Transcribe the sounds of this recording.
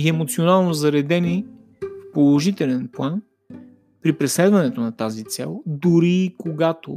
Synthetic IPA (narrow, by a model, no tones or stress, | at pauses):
iɛmot̪sionalˠnozɐɾɛd̪ɛni | fpolˠoʒit̪ɛlɛnplˠan | pɾipɾɛslɛd̪vɐnɛt̪onɐt̪azit̪sɛ̰lˠd̪uɾikoɡat̪o̰